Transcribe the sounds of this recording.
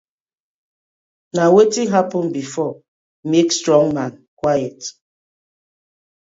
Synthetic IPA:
nawetiɦapɔnbifɔ | mekstɹɔ̃ŋmankwajɛt

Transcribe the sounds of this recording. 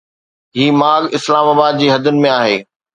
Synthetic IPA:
ɦiːmaːɡɪslaːmaːbaːd̪̚d͡ʑiːɦɐd̪ʊnɪ̆mẽaːɦeː

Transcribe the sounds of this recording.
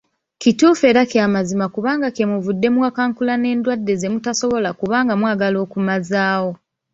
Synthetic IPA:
kituːfe̞ːɾakamazimakuβaːŋɡakemuvudːe̞mwakaːŋkulane̞ːndwadːe̞ze̞mutaso̞βo̞lakuβaːŋɡamwaːɡalo̞ːkumazaːwo̞

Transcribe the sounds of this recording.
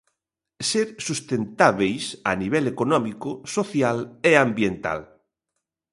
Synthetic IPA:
seɾsust̪ent̪aβejsaniβɛlekonɔmikʊsoθjaleambjent̪a̰l

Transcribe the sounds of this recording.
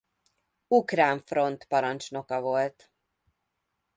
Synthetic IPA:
ukɾaːɱfro̞nt̪pɒɾɒnt͡ʃno̞kɒvo̞lt̪

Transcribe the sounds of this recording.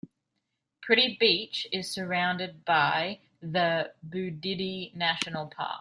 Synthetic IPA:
pʰɹ̥ɪɾibiˑt͡ʃɪz̥sə˞ãʊ̃ndɪd̚baɪ | ðəbʉdɪɾinæʃənəl̩ˠpʰɑ̰ˑk

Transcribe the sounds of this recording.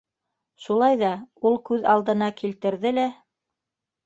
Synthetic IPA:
ʃulˠɑjðɑulˠkʉðɑlˠd̪ɤ̆nɑkilt̪ɘ̆ɾðɘlæ

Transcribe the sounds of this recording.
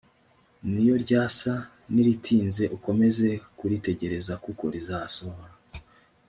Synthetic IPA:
nijo̞ɾɟaːsa | niɾitʰiːnze̞ʔuko̞me̞ze̞kuɾite̞ɟe̞ɾe̞zakuko̞̰ɾizaasohoɾa

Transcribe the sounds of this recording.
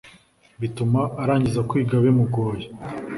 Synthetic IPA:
βitumaʔːɾaːɲɟizakwiːɡaβemuɡoːje

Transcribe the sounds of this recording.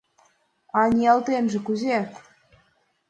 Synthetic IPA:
ɑnʲiɑlt̪enʒĕkuze

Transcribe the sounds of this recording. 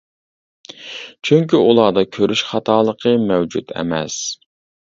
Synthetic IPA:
t͡ʃʰyŋkʲiulˠɑːd̪ɑkʲʰøɾʔyʃχɑt̪ʰɑːlˠəqʰəmɛwd͡ʒṵt̪ʰɛ̰mɛ̰s

